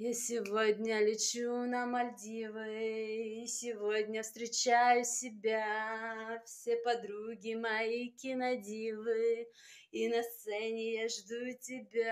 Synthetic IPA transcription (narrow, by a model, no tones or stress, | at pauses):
jasʲɪvo̞d̪ʲnʲəlʲɪt͡ɕunɐmɐlʲdʲivɨ | isʲɪvo̞dʲnʲəfst̪ɾʲɪt͡ɕajʊsʲɪbʲa | fsʲepɐd̪ɾuɡʲɪmɐikʲɪnɐdʲivɨ | inɐst̪sɛnʲɪjaʐd̪utʲɪbʲa